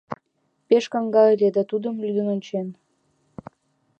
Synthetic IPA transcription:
peʃkɑŋɡɑelʲed̪ɑt̪ud̪ə̆mlyd̪ə̆nonʲt͡ɕen

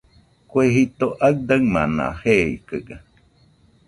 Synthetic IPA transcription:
kweɦit̪oʔak̚d̪aŋma̰nã̰heḭkɨɡa

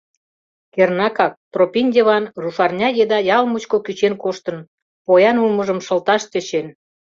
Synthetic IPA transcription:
kernɑkɑk̚p̪ropʲinʲdʲeβɑnruʃɑrnʲɑjed̪ɑjɑlmut͡ɕkokyt͡ɕenkoʃt̪ən | pojɑnulməʒəmʃə̆lt̪ɑʃt̪et͡ɕen

